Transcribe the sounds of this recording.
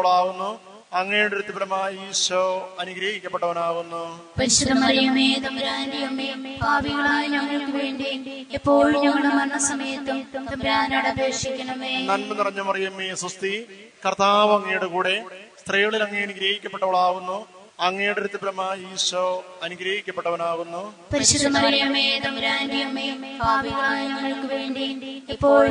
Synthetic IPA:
ɐɭaːʋunːu | ɐŋːejjɽeɾut̪ːɐpɾɐmaːjiːsɐɐnuɡɾɐːhikʲːɐpːeʈːɐʋɐnaːʋunːu | pɐɾiɕːɐðɐmɐɾijɐmeːk̪ɐmɾaːdijɐmːeːbʱaːʋiɣɐɭaːjeɲɐŋːɐɭuʋeːɳɖi | ipːo̞ːɭumɲɐŋːɐɭɽemɐnːɐsɐmɐjɐt̪ːumk̪ɐmɾaːnɐɽɐbɾeːʂikʲːɐnɐmenɐnnɨpɐrɐɲːɐpɐrɐjɐmːeːsust̪i | kɐrt̪aːʋɐɐŋːɐjoɽekuːɽest̪rijɣɐɭilɐŋːejnuɡɾɐːhikʲːɐpːeʈːɐʋɐɭaːɣunːu | ɐŋːɐjuɽeɾut̪ːɐpːɾɐmːɐiːsɐɐnuɡɾɐːhikʲːɐpːeʈːɐʋɐnaːɣunːu | pɐɾiɕud̪ːɐmɐrijjɐmːet̪ɐmɾaːndijɐmːembʱaːʋiɣɐɭaːjɐɲɐŋːɐɭkɨʋe̞ːɳɖiepːo̞ːɭ

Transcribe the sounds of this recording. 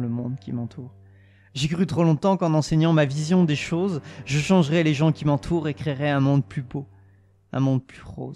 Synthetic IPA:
ləmɔ̃d̪kʲimɑ̃t̪ʰuːʁ | ʒekχyt̪χolɔ̃t̪ɑ̃kɑ̃nɑ̃sɛɲɑ̃mavizjɔ̃d̪eʃozʒəʃɑ̃ʒʁɛleʒɑ̃kʲimɑ̃t̪ʰuʁekχeʁɛɛ̃mɔ̃d̪plybo | ɛ̰̃mɔ̃d̪plyʁo̰

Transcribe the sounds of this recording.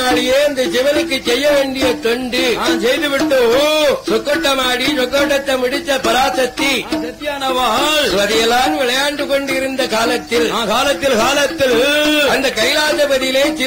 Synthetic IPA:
aːɭɪjeːɐnd̪ɐd͡ʒɪʋɐnɯkːɯt͡ʃːɛjːɐʋeːɳɖɪjɐt̪ɔɳɖɯnaːnsɛjðɯʋɪʈːosɔkːoʈːɐmaːɽisɐkːoːʈːɐt̪ːɐmʊɽɪt͡ʃ̪ːɐpɪɾaːsɐt̪ːisɐt̪ːjaːnɐʋaːlsʋɐðɪjɐlaːnʋɪɭɐjaːɳɖɯkɔɳɖɪɾɯnd̪ɐkaːlɐt̪ːɪlnaːkaːlɐt̪ːɪlkaːlɐt̪ːɪlɐnd̪ɐkɐjlaːsɐpɐðɪjleːt͡ʃɪ

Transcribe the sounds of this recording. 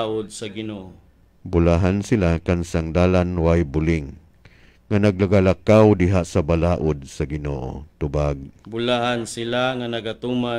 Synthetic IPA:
ʔʊd̪̚saɡɪnoʔo | bʊlaɦansɪlakansaŋd̪aːlanwajbʊlɪŋː | anaɡ̚laɡalakawd̪ɪɦaʔsabalaːʔʊd̪̚sɐɡɪno̰ːʔo̰t̪ʊbaɡ̚bʊlahansɪlaŋanɐɡat̪uma

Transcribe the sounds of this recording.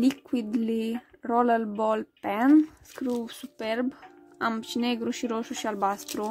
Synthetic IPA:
likwid̪lirɔlalbɔlpɛnskɾuvsupɛɾb | ampt͡ʃineɡɾuʃiɾoʃuʃialbast̪ɾu

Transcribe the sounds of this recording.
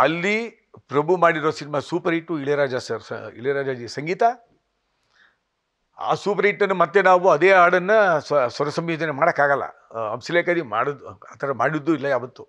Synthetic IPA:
ɐlːi | pɾɐbʱumaːɽiɾoːsinimasuːpɐɾeʈːuiɭeɾaːd͡ʒasɐɾḭɭeɾaːd͡ʒaːd͡ʒisɐŋɡiːt̪a | a̰ːsuːpɐɾɐiʈːɐnːumɐt̪ːenaːʋuɐd̪eːaːɽɐnːɐssɐɾɐsɐmjuːd͡ʒ̪ɐnemaːɽɐkːaːɡɐlːɐ̰ | ɐ̰msileːkad̪ima̰ːɽɐd̪uaːt̪ʰɐɾɐmaːɽid̪ːuilːɐjaːʋɐt̪ːu

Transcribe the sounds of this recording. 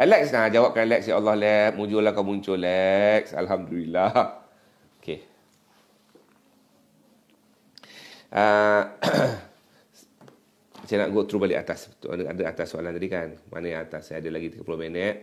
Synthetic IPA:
ʔɛlɛksnad͡ʒawap̚kanlɛksjaʔalːɔhlɛp̚mud͡ʒʊlahkawmuɲt͡ʃʊlɛk̚sa̰lɦamdulila | okʰe | ʔə | sajana̰ʔɡot̪ɾubalɪʔa̰t̪ast̪uʔa̰nadəat̪asːoa̰lant̪adikanmʔa̰najãŋat̪asːjadəlaɡit̪ikəpɾomɛnɛt̪̚

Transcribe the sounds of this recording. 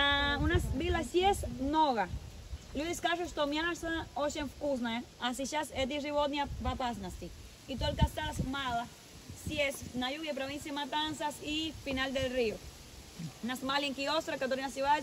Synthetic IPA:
aunasbilasjesnoɣa | luðiskaʃost̪omjanasaoʃenfkus̬naeasiʃaset̪̬iriβot̪niapapasnast̪i | it̪uelkast̪asmala | sjesnajuɣep̬ɾoβinsjamat̪ansasifinald̪elrio | nasmaleŋkiost̪ɾakat̪oɾinasiðae

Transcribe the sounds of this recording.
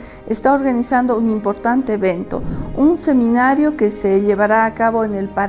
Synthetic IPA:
est̪ao̞ɾɣanisand̪ounimpo̞ɾt̪ant̪eːβent̪o̞̰unse̞mĩnaɾjo̞keseʎeβaɾaːkaβo̞enelpa

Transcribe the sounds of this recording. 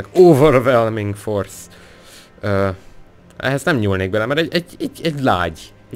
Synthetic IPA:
ɛɡoːvørvɛlmiŋɡfors | øː | ɛ̰ɦɛznɛmɲulneːɡ̚bɛlɛmɛɾɛɟɛɟɛɟɛɟla̰ːɟ | ɛ

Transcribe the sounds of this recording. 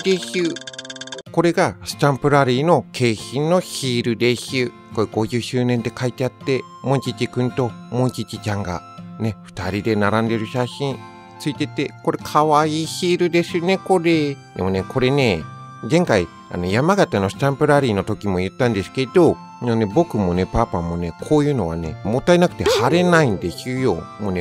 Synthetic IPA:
d̪eɕɨ | ko̞ɾe̞ɡasɨ̥t̪ãmpɯ̟ɾaɾʲiːno̞kʰe̞ːçĩnnːo̞çiːɾɯ̟d̪eɕɨː | ko̞ɾeɡ̥o̞ʑɨːɕɨːnẽ̞nd̪e̞kait̪eat̪ːe̞ | mõ̞ɲt͡ɕit͡ɕikɯ̟̃nt̪o̞mõ̞t͡ɕit͡ɕit͡ɕãŋɡa̰ne̞ɸɯ̟̥t̪aɾʲid̪e̞naɾãnd̪e̞ɾɯ̟ɕaɕĩn | t͡sɨit̪e̞t̪e̞ko̞ɾe̞kʰaβaiːçiɾɯ̟d̪e̞sɨone̞ko̞ɾe̞d̪e̞̰mo̞ne̞kʰo̞ɾe̞ne̞ | zẽ̞ŋkai | a̰no̞jamaɡat̪ano̞sɨ̥t̪ãmpɯ̟ɾaɾʲiːno̞t̪o̞kʲimo̞jɯ̟t̪ːãnd̪e̞sɨ̥ke̞d̪̥o̞ | none̞bo̞kɯ̟mo̞ne̞paːpamo̞ne̞kʰo̞ːjɯ̟ːno̞βa̰ne̞̰mot̪ːainakɯ̟t̪e̞haɾe̞naĩnd̪eɕiɯjo̞mone

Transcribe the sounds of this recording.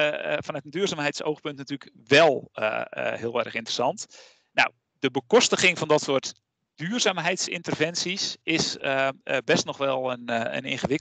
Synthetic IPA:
fɔnœtəndyːrzaːmɦɛjtso̰wxpɵntnatyːlək | ʋɛlˠə̰hɪəlˠʋɛrəxɪntrəsɑnt | na̰w | dəbəkɔstəχɪŋfɔndɔtsʊət | d̥yːrzaːmɦɛjtsɪ̰ntərvɛnsisɪsəbɛstnɔxʋɛlˠənə̰nḛːχəʋɪk

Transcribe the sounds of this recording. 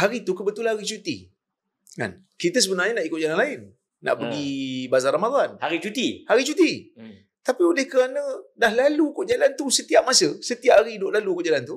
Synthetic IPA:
haɾit̪ukəbət̪ulahaɾit͡ʃut̪ḭ | ka̰n | kit̪əs̬əbənaɲənaʔikʊʔ̚d͡ʒalanlaɪnː | a̰ʔpəɡibazaɾamad̪anhaɾit͡ʃut̪ihaɾit͡ʃut̪i | t̪apiolɪhkəɾanə̃dahlalukoʔd͡ʒalant̪usət̪iap̚masəsət̪iap̚ːaɾiːdoʔlalukoʔd͡ʒalant̪u

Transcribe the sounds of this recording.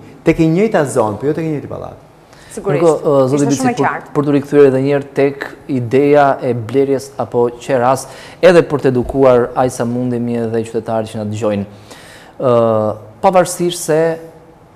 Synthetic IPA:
t̪ɛkɛɲəjt̪azɔnpɔjɔt̪ɛkɛɲəjt̪ipa̰lˠa̰t̪ | siukɔzɔt̪ibispɾpəɾt̪uɾikθyɛɾɛðɛɲɛɾt̪ɛkid̪ɛjaʔɛblɛɾjɛsapɔt͡ɕɛɾas | ɛðɛpəɾt̪əɛd̪ukuaɾajsamund̪imðɛt͡ʃy̥t̪ɛt̪aɾt͡ʃənat̪d͡ʑɔjn | pavaɾsiɾsɛ

